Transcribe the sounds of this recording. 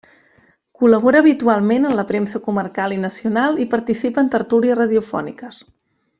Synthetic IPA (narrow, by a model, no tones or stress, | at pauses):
kuləβ̞oɾəːβit̪ualˠmenənləpɾemsəkumərkalˠinəsiunalˠipəɾt̪isipəːnt̪əɾt̪uliəsrəðiufɔ̰nḭkəs